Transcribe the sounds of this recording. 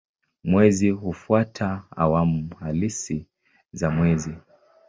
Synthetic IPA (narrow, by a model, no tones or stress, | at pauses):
mwɛziɦufuwatʰaa̰wamuhalisi | zamwɛzi